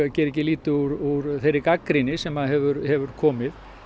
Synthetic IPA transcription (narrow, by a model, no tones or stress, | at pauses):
cɛːɾɛcɪliːt̪ʏuɾuɾθejɾːɪkakɾinɪsɛmaðɦɛvʏɾhɛvʏɾ̥kʰɔːmɪð